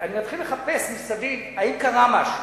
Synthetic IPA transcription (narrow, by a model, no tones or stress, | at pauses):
animat̪χilːeχape̞smisadim | aimkaʁamaʃu